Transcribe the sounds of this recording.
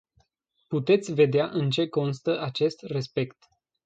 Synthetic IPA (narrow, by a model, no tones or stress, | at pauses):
put̪e̞t̪sʲve̞d̪eaʔɨnt͡ʃe̞ko̞nst̪əʔat͡ʃe̞st̪re̞spe̞kt̪